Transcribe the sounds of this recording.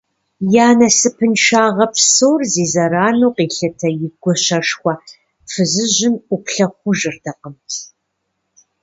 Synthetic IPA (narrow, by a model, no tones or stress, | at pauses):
jaːnɐsɨpʰɨnʃaːʁɐpʰsoːrziːzɐɾaːnoːqiːɬɐtʰɐjɪɡʷɔɕɐʃxʷɐ | fɨzɨʑɪmʔʷʊpɬɐχʷʊʒɪrdʰɐqəmtʰ